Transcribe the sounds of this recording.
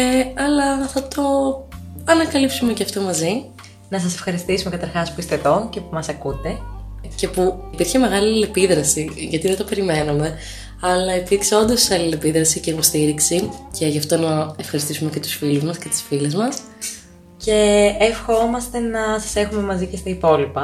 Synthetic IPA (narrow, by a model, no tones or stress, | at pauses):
eɐlɐθɐt̪o̞ | ɐnɐkɐlipsume̞ceɐft̪o̞mɐzi | nɐsɐse̞̥fxɐɾist̪isumekɐt̪ɐɾxɐspuist̪eðo̞cepumɐsɐkut̪e̞ce̞puipiɾçeme̞ɣɐlile̞piðɾɐsiʝɐt̪iðe̞t̪o̞pe̞ɾime̞nume̞ | ɐlɐipiɾkseo̞nd̪osɐlilepiðɾɐsice̞ipo̞st̪iɾiksice̞ʝɐft̪o̞nɐefxɐɾist̪isumece̞t̪usfiluzmɐsce̞t̪i̥sfilezmɐs | ce̞ːfxo̞mɐst̪e̞nɐsɐse̞xume̞mɐzicest̪ɐipo̞lipɐ